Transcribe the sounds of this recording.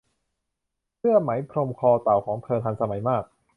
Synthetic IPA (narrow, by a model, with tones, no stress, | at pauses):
pʰɯ˥˩əma˩˦jpʰɾo˧mkʰɔː˧t̪a˨˩wkʰɔː˩˦ŋpʰɤː˧nt̪ʰa˧nsa˧ma˨˩˦jmaː˥˩k̚